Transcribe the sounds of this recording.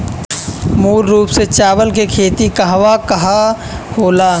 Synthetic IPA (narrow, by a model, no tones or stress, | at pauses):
muːlɾuːpset͡ʃaːbəlkekʰeːt̪ikɐɦʋakɐɦa | hoːlaː